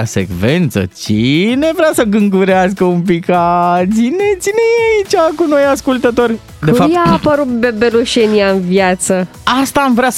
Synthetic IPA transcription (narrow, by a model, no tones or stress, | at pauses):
asḛkve̞nt̪sə̰t͡ʃine̞vɾeasəɡɨŋɡuɾeaskəumpikat͡ʃine̞t͡ʃine̞jeait͡ʃakuno̞jaskult̪ət̪o̞rʲ | d̪efapjaːpəɾut̪̚bebeluʃeniaɨnvjat̪səast̪aːmvɾeas